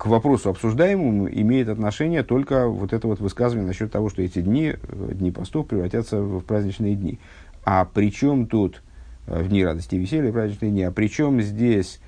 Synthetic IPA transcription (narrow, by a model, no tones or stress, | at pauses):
kvɐpɾo̞sʊɐpsʊʐd̪ajɪmɨmṵʔɪ̰mʲejɪt̪ɐt̪nɐʂɛnʲɪjət̪o̞lʲkəvo̞t̪ɛt̪əvo̞t̪vɨskazəvənʲɪənɐɕːo̞t̪ːɐvo̞ʂt̪oɛtʲɪd̪ʲnʲid̪ʲnʲipɐst̪ofpɾʲɪvɾɐtʲat̪səfpɾazʲnʲɪt͡ɕnɨjədʲnʲḭ | apɾʲɪt͡ɕo̞mt̪ut̪ | vd̪ʲnʲiɾad̪əsʲtʲɪɪvʲɪsʲelʲɪjəpɾazʲnʲɪt͡ɕnɨjəd̪ʲnʲiapɾʲɪt͡ɕo̞mzʲdʲesʲ